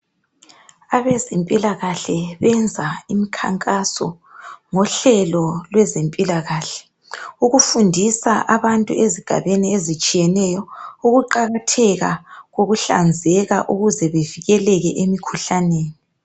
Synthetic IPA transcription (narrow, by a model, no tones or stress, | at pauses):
aβezempʼilaɣaɬɛβɛnd͡zʱaimikʰa̰ŋkʼasɔ̰ | ŋɔɬɛlɔlwɛzempʼilaɣaːɬɛ̥ | uɣufundʱisaʔaβantʼṵʔeziɡ̥ʱa̰βeniezit͡ʃʼijɛnɛːjɔuɣuǃaɣatʰɛɣaɣoɣuɬa̰nd͡zʱɛɣa̰ʔuɣuzɛβeviɣɛlɛɣɛʔemikʰuɬaneːni